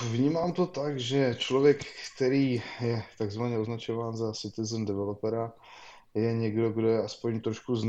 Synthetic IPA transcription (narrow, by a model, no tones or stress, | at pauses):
vɲiːmaːmt̪o̞t̪akʒɛt͡ʃlo̞vjɛkːt̪ɛɾiːjɛt̪aɡzvaɲɛoznat͡ʃo̞vaːnzasɪt̪ɪzɛndɛvɛlo̞pɛɾa | jɛɲɛɡdo̞ɡdojɛaspo̞ɲt̪ɾoʃkuzn